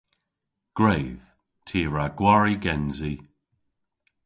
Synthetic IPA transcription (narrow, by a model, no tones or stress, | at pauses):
ɡ̥ɹejð̥ | tʰiːɹaɡ̥waɹiɡɛnzi